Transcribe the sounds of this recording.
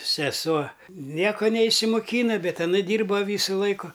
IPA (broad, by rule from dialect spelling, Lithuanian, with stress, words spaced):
sʲɛˈsuɔ ˈnʲiɛkoː nʲɛɪʃʲsʲɪmoːˈkʲiːnɐ ˈbʲɛt ɐˈnɐ ˈdʲiːrbɐ ˈʋʲiːsʊ ˈlˠɐɪkʊ